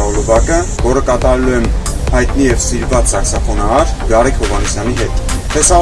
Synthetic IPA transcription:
ɔlɔbɑkəvɔɾəkɑt̪ɑɾɛluɛmhɑjt̪nijɛvsiɾvɑt͡ssɑksɑfɔnɑɑɾɡɑɾɛkʰhɔvɑnisjɑn̪iɦɛt̪t̪ɛsɑ

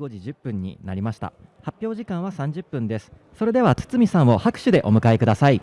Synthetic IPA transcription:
o̞ʑiʑɨpːɯ̟̃ɲ̟ːḭnaɾʲimaɕi̥t̪a̰ | hapʲːjo̞ːʑikãɰ̃βasãɲ̟d͡ʑɨpːɯ̟̃nd̪e̞sɨ̥ | so̞ɾe̞d̪e̞βat͡sɨ̥t͡sɨmʲisãɰ̃o̞hakɯ̟̥ɕɨd̪e̞ʔo̞mɯ̟kaekɯ̟d̪asai

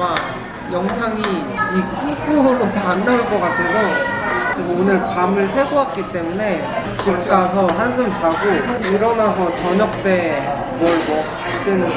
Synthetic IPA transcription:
ma | jʌŋsʰaŋiikʰukʰuɾotaːnːauɭk͈ʌk͈atʰeɡo | ɯɡonɯɭpamɯɭsʰe̞ɡoɦak̚k͈it͈e̞mune̞ | t͡ɕip̚k͈asʰʌɦans̬ʰɯmt͡ɕaɡoiɾʌnasʰʌt͡ɕʌɲʌk̚t͈e̞ | mwʌɭmʌ | t͈ɯnɯ

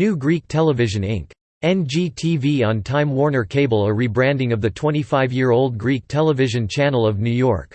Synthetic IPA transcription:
nʉɡɹik̚tʰɛlˠəvɪʒɨ̃nɪ̰̃ŋk | ɛ̃nd͡ʒitʰiviə̃ntʰãɪ̃mwɔɹnə˞kʰeɪbl̩ˠəɹibɹæ̃ndɪ̃ŋʌvðɨtʰw̥ɛ̃ɾ̃ifaɪvjɪɹoʊlˠd̚ɡɹik̚tʰɛlˠəvɪʒɨ̃nt͡ʃʰænl̩ˠʌvnʉjɔ̰ɹk

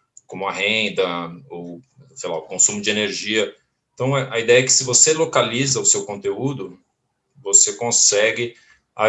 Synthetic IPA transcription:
kõmʊɐɦẽnd̪ɐo | sejla̰ʊkõsũmʊd͡ʒɪeneɾʒiɐ | ẽt̪ɐ̃w̃ɛʔɐid̪ɛjɐɛkɪ̥sɪvoselokalizɐʊsewkõt̪eud̪ʊ | vosekõsɛɡɪ | a

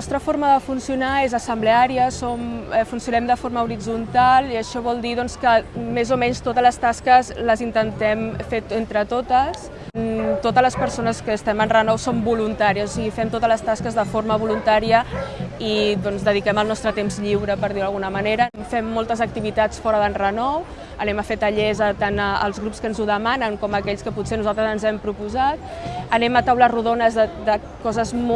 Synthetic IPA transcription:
nɔst̪ɾəfoɾməðəfunsiunaezəsəmbleaɾiəsomfunsiunɛmd̪əfoɾməuɾid͡zunt̪alˠiəʃɔβɔlˠd̪iðɔnskəmezomɛɲst̪ot̪əzləst̪askəzləzint̪ənt̪ɛmfet̪ent̪ɾət̪ot̪əs | t̪ot̪əzləspəɾsonəskəːst̪ɛmənrənɔwsombulunt̪aɾiəsosiɣifɛmt̪ot̪əzləst̪askəzðəfoɾməβ̞ulunt̪aɾiəiðɔnzðəðikɛməlˠnɔst̪ɾət̪emzʎiwɾəpəɾðiwðəlɣunəməneɾəfɛmːolˠt̪əzək̚t̪iβit̪at͡sfɔɾəðənrənɔw | ənɛməfet̪əʎezət̪anəə̰lˠzɣɾupskənzuðəmanəŋkɔməkɛʎskəpusenuzalˠt̪ɾəzənzɛmpɾupuzat̪̚ | ənɛmət̪awləruðonəzðəd̪ə | kɔzəzm

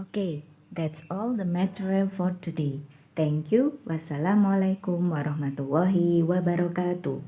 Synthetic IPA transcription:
oke | d̪ɛtsɔld̪əmɛtəɹilfɔɾt̪ude | t̪ɛŋkjuwʔasalamalakumwaɾɑhmat̪ulːɑɦiwabaɾɔkat̪ṵ

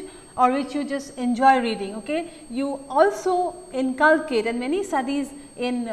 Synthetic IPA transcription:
ɔɹʋɪt͡ʃjud͡ʒʌstɛ̃nd͡ʒɔɪɾiːɖɪ̃ŋoke | juːɔlsoɪ̃nkalkeɾɛ̃nmɛnistadiz | ɪ̃n

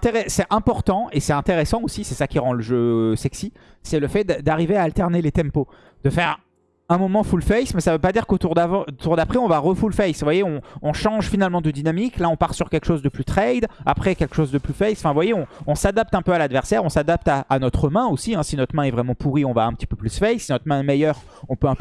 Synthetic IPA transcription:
t̪eʁɛsɛʔɛ̃pɔʁt̪ɑ̃esɛt̪ɛ̃t̪eʁɛsɑ̃osisɛsakʲiʁɑ̃ləʒøsɛksi | sɛləfɛd̪d̪aʁiveaːlt̪ɛʁnelet̪ɛ̃mpo | d̪̥əfɛʁ | ɛ̃mɔmɑ̃fulfɛjsmɛsavøpad̪iʁkot̪uʁd̪avɑ̃ot̪uʁd̪apχɛɔ̃vaʁəfulfɛjsvwajeɔ̃ɔ̃ʃɑ̃ʒfinalmɑ̃d̪əd̪inamiklaɔ̃paʁsyʁkʲɛlkə̥ʃozd̪əplyt̪χɛjd̪a̰pχɛkʲɛlkə̥ʃozd̪əplyfɛjsɑ̃fɛ̃vwajeɔ̃ɔ̃sad̪ap̚t̪ɛ̃pøalad̪vɛʁsɛʁɔ̃sad̪ap̚t̪aːnɔt̪χəmɛ̃osiɛ̃sinɔt̪χmɛ̃ɛvʁɛmɑ̃puʁiɔ̃vaɛ̃pət̪i̥pøplysfɛjsːinɔt̪χmɛ̃ɛmɛjœːʁ | ɔ̃pøɛ̃pø

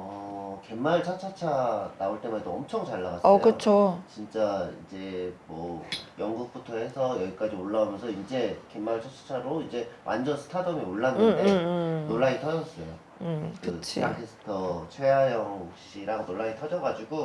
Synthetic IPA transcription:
ʌke̞mːaɭt͡ɕʰat͡ɕʰat͡ɕʰanaoɭt͈e̞madoʌmt͡ɕʰʌŋt͡ɕaɭːaɡasʌjkɯot͡ɕʰot͡ɕint͡ɕ͈aḭd͡ʑe̞mwʌjʌŋɡuk̚p͈utʰʌe̞sʰʌjʌɡik͈ad͡ʑioɭːaumjʌnsʰʌind͡ʑe̞ke̞mːaɭt͡ɕʰat͡ɕʰḁt͡ɕʰaɾoid͡ʑe̞wʔa̰nd͡ʑʌnsʰɯ̥tʰadʌmioɭːanɯnenoɭːaɡitʰʌd͡ʑʌs͈ʌjo̰ | kɯt͡ɕʰḭa̰ŋkʰes͈ʰɯ̥tʰʌt͡ɕʰwe̞ajʌŋɡuk̚ɕ͈iɾaŋnoɭːaitʰʌd͡ʑʌɡad͡ʑuɡo

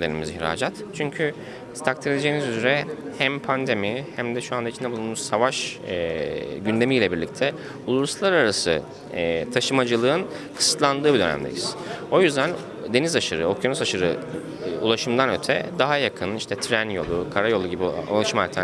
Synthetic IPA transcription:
d̪enimḭziçɾa̰ːd͡ʒat̪t͡ʃʰyɲcʰy | st̪ʰak̚t̪ʰiɾed̪ʲed͡ʒe̞ːnizyzyɾɛhæmpʰand̪e̞mihæmd̪ɛʃuand̪ait͡ʃʰinɛblˠunmuɾsavaʃ | ɟynd̪e̞mijlʲɛbiɾlʲic̚t̪ʰɛ | ulˠuɾslˠaɾaɾasɯ̰ | t̪ʰaʃɯmad͡ʒɯlˠɯːɯn | kʰɯ̥sɯ̥t̪lˠand̪ɯːbid̪ø̞næ̰md̪ḛjḭz̥o̞jyzd̪æn | d̪e̞nizaʃɯɾɯo̞kʰjonusaʃɯɾɯ | ṵlˠaʃɯmd̪anø̞t̪ʰɛ̰d̪aɦajakʰɯniʃt̪ʰɛt̪ʰɾænjo̞̰lˠukʰaɾajo̞lˠuɟibio̰lˠaʃɯmalʲt̪ʰa

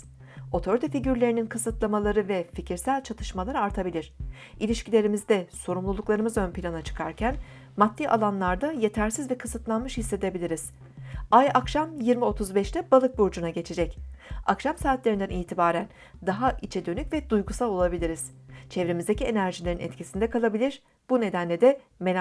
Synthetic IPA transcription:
o̞t̪ʰo̞ɾʲyt̪ʰefiɟyɾlʲe̞ɾininkʰɯsɯt̪lˠamalˠaɾɯvɛficʰiɾsælʲt͡ʃʰat̪ʰɯ̥ʃmalˠaɾɯaɾt̪ʰabilʲiɾ̥ | ʔilʲiʃcilʲe̞ɾimizd̪ɛso̞ɾumlˠulˠuklˠaɾɯmɯzø̞npʰilʲanat͡ʃʰɯ̥kʰaɾcʰæn | mat̪ːiʔa̰lˠanlˠaɾd̪aje̞t̪ʰæɾsizvɛkʰɯsɯt̪lˠanmɯʃhisːe̞d̪e̞bilʲiɾiz̥ | ajakʃamjiɾmio̞t̪ʰuzbɛʃlʲɛbalˠɯk̚buɾd͡ʒunaɟe̞t͡ʃʰed͡ʒɛcakʃamsaːt̪lʲeɾind̪æniːt̪ʰibaːɾæn | d̪aɦaʔit͡ʃʰed̪ø̞nycvɛd̪ujɡusalˠo̞lˠabilʲiɾiz̥t͡ʃʰevɾemizd̪ecie̞næɾʒilʲeɾinɛ̰t̪cʰisind̪ɛkʰalˠabilʲiɾ | b̥une̞d̪ænlʲed̪ɛmel

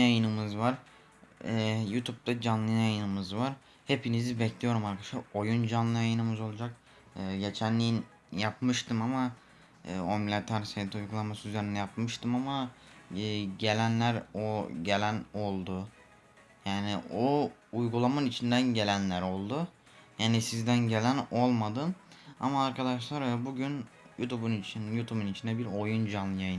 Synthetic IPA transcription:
jajɯnɯmɯzvaɾ | ɛjut̪ʰup̚t̪ʰad͡ʒanlˠɯjnjajɯnɯmɯzvaɾ | he̞pʰinizibɛcʰlʲijo̞ɾumaɾkʰadaʃlˠaɾo̞jund͡ʒanlˠɯjajɯnɯmɯzo̞lˠud͡ʒak̚ | ɯːɟe̞t͡ʃʰænlːʲijin | japmɯʃt̪ɯmamaː | omlʲat̪ʰaɾset̪ʰiujɡulˠamasɯyzeɾinɛjapmɯʃt̪ʰɯmamaː | ɟe̞lʲænlʲæɾoɟe̞lʲæno̞lˠd̪ʊ | jaːnioujɡulˠamanit͡ʃʰind̪ænɟe̞lʲænlʲæɾo̞lˠd̪u | jaːnisizd̪ænɟe̞lʲæno̞lˠmad̪ɯna̰maːɾkʰad̪aʃlˠaɾøbuɟynjut̪ʰubunit͡ʃʰinjut̪ʰubunit͡ʃʰind̪ɛbiɾo̞jund͡ʒanjajɯ

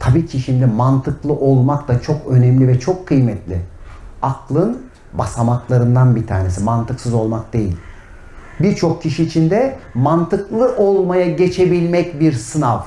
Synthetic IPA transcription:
t̪ʰabiːcʰiʃimd̪ɪmant̪ʰɯklˠɯʔo̞lˠmakt̪ˠat͡ʃʰo̞kø̞nɛmlʲivɛt͡ʃʰokʰːɯjmɛt̪ʰlʲɪ̰aklˠɯn | basamaklˠaɾɯnd̪anbit̪ʰa̰ːnesimant̪ʰɯksɯzo̞lˠmak̚d̪e̞jḭlʲ | biɾt͡ʃʰo̞k̚cʰːiʃiːt͡ʃʰind̪ɛmant̪ʰɯklˠɯʔo̞lˠmajaɟe̞t͡ʃʰe̞bilʲmɛcbiɾsɯnav

